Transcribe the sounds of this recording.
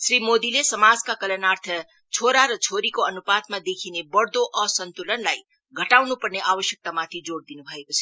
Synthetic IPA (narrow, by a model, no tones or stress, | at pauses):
sɾimod̪ilesəmad͡zkakələnaɾt̪ʰə | t͡ʃʰoɾaɾʌt͡ʃʰoɾikoənupat̪mãd̪ekʰinebəɽd̪oʔəsənt̪ulənlaj | ɡʱəʈawnupəɾneʔaʋəʃjək̚t̪amat̪ʰid͡ʒoɽd̪inubʱəekot͡ʃʰe̥